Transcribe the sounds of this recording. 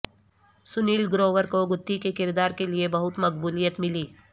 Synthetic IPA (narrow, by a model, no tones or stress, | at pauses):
sʊniːlɡɾoːʋəɾkoɡʊt̪ːikekɪɾd̪aːɾkeliebɐɦʊt̪mɐkbuːlijət̪mɪliː